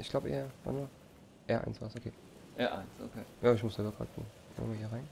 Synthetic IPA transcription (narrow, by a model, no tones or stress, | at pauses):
ʔɪçɡ̥laʊbʔḛːɐva̰nmaː | ʔɛːɐʔa̰ɪnsv̥aːsʔokʰeː | ʔɛɐʔa̰ɪnsʔo̰kʰeːjaːɪçmʊsz̥ɛbɐkʰa̰ːtŋ | fɔ̰ːnmaːhiːɐʁaɪn